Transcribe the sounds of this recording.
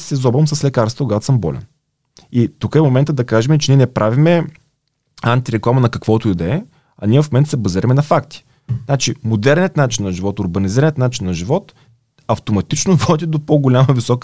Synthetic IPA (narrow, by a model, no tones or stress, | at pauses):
sɛzɔbvɐmsəslɛkaɾsəkoɡat̪o̥səmbɔ̰lɛ̰n | it̪ukəɛmomɛnt̪əd̪ɐkaʒɛmɛt͡ʃɛniɛnɛpɾʔavimɛ | ant̪iɾɛklˠamɐnɐkɐkvɔt̪oid̪ɛɛ | ɐnʲiɛvɐfmmɛnt̪sɛbɐziɾɐmɛnɐfakt̪i̥ | znat͡ʃimod̪ɛɾniət̪nat͡ʃinːɐʒivɔt̪ʊɾbɐniziɾɐnʲət̪nat͡ʃinːɐʒivɔt̪ | ɐft̪omɐt̪it͡ʃnovɔd̪ʲid̪opoɡolʲamɐvisɔk